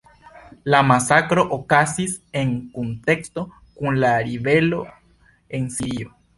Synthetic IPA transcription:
lamasakɾoʔokasiseŋkunt̪ekst̪o | kunlaɾiβelo | ensiɾio

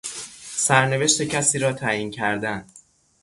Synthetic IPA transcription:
sæɾne̞ve̞ʃt̪e̞cʰæsiːɾɒːt̪ʰæjincʰæɾd̪æn

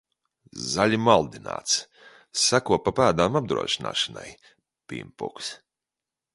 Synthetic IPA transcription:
zalʲimalˠd̪ina̰ːt̪s | sakuɔpapaːd̪aːmab̚d̪ɾṵɔ̰ʃina̰ːʃana̰j | pʲḭmpṵks

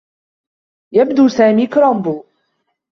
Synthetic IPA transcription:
jabd̪uːsaːmiːkɾombuː

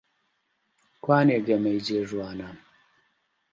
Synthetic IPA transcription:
kwaːneːɡɐmɐjd͡ʑeːʒwaːnam

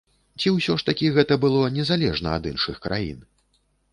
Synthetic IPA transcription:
t͡sʲiwsʲɔʂt̪akʲiɣɛt̪ɐbɨlˠɔnʲɛzalʲɛʐnɐa̰d̪ɨnʂɨxkɾʔa̰jḭn

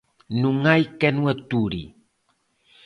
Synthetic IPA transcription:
nuŋajkɛnwatuɾḭ

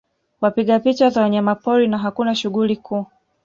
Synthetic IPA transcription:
wapiɠapit͡ʃazawaɲamapɔɾinaɦakunaʃuɣulikʰuː

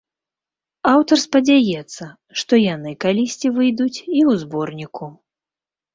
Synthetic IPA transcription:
awt̪ɐrspɐd͡zʲajɛt̪sːɐ | ʂt̪ɔjanɨkalʲisʲt͡sʲivɨjd̪ut͡sʲiuwzbɔrnʲiku

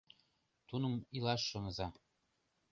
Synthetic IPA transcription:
t̪unɤ̆milɑʃːŏnɤ̆zɑ

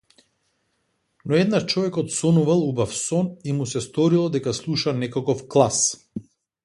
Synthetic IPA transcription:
nɔɛd̪nat͡ʃɔvɛkɔt̪sɔnuvalˠubafsɔnimusɛst̪ɔɾilˠɔd̪ɛkaslˠuʃanɛkakɔfklˠas

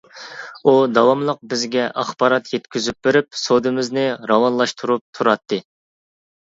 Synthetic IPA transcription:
ud̪ɑwɑmlˠəq̚bɪzɡʲɛʔɑχb̥ɑɾɑt̪jɛt̪kʲyzyp̚beɾɪpsod̪ɨmɪznɪɾɑwɑnlˠɑʃt̪ʰuɾup̚t̪ʰuɾɑt̪ʰːɨ

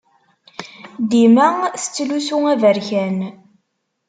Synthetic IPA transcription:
d̪imæθə̥t͡sːlusuævəɾçæn

